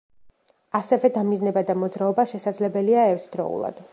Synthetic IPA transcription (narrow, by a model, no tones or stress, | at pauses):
asɛvɛd̪amiznɛbad̪amɔd̪zɾaɔbaʃɛsad̪zlɛbɛliaɛɾt̪ʰd̪ɾɔ̰ṵlˠa̰d̪̥